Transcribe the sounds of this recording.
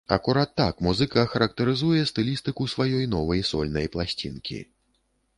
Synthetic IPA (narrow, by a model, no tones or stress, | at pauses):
ɐ̰kuɾat̪ːakmuzɨkɐxɐɾɐk̚t̪ɐɾɨzujɛst̪ɨlʲist̪ɨkusvajɔjnɔvɐjsɔlʲnɐjplˠasʲt͡sʲḭnkʲḭ